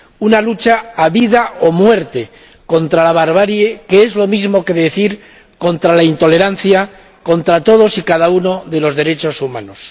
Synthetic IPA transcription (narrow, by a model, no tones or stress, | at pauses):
unalut͡ʃaːβiðaomwe̞ɾt̪e̞ | ko̞nt̪ɾalaβ̞aɾβ̞aɾjeke̞e̞zlo̞mizmo̞ke̞ðe̞θiɾ | ko̞nt̪ɾalaint̪o̞le̞ɾan̟θja | ko̞nt̪ɾat̪o̞ð̞o̞sikaðauno̞ðe̞lo̞zðe̞ɾe̞t͡ʃo̞sumãno̞s